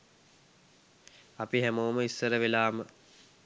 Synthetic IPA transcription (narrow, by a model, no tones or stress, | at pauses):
apiɦæmoːməisːəɾəʋelaːmə